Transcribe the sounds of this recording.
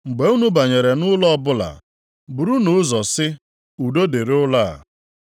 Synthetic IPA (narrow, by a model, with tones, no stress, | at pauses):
ŋ͡m̩˨ɡ͡be˨u˦nu˦ba˨ɲe˨ɾe˨nʊ˦lɔ˦bʊ˦la̰˨ | bu˨ɾu˦nʊ˨˦zɔ˨sɪ˦ | u˨do˦de˨ɾʊ˦la˦˨